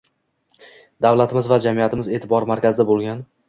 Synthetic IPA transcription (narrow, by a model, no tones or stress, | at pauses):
d̪avlat̪ʰɪmɪzvad͡ʒamijat̪ʰɪmɪze̞ːt̪ʰɪbɒɾmaɾkʲazɪd̪abolˠɡʲan